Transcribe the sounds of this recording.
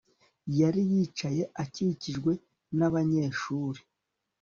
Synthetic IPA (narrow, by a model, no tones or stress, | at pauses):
jaɾijiːt͡ʃaje̞ʔaciciʒɡwe̞ | naβaɲe̞ːʃuːɾe